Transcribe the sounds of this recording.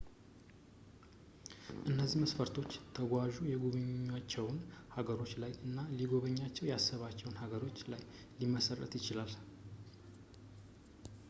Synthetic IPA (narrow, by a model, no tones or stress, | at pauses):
ʔɨnːəzːiməsfəɾt̪ʰo̞t͡ʃːt̪ʰəɡʷaʒujɛɡuβɨɲːat͡ʃːɛwnhaɡəɾo̞t͡ʃːlajɨnːaliɡo̞βəɲːat͡ʃːɛwjasːəβat͡ʃːɛwnhaɡəɾo̞t͡ʃːlaj | liməsərːə̰t̪jɪt͡ʃɪlal